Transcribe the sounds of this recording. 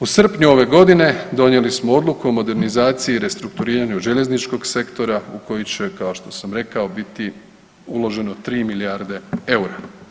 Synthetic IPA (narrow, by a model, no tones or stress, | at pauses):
usr̩pɲuo̞ʋe̞ɡo̞d̪ine̞d̪o̞nje̞lismoo̞d̪lˠukuomo̞d̪e̞ɾnizaːt̪sijiːɾe̞st̪ɾuk̚t̪uɾiːɾaɲuʒeʎe̞znit͡ʃko̞ɡse̞kt̪o̞ɾauko̞jit͡ɕe̞kaoʃt̪o̞samɾe̞kao̞bit̪i | ulˠo̞ʒe̞not̪ɾiːmiliaɾd̪e̞e̞uɾa